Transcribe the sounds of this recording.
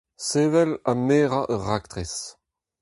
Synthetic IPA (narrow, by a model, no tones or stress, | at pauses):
seːvɛlameːʁaʔœʁakt̪ʁes